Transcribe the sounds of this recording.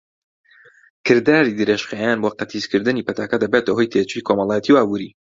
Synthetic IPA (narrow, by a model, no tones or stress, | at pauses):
kʰɨɾd̪aːɾid̪ɨɾeːʃxejanboːqɐt̪ʰizkɨɾd̪ɨnipɐt̪ʰaːkɐd̪ɐbet̪ɐho̞jt̪ʰet͡ʃujikʰomɑlˠaːjɛt̪ʰiwʔaːbuːɾiː